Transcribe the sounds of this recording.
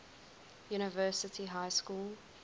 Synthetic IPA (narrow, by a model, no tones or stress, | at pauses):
juːnɪvɜːˑsɪtʰiɦaɪskuːl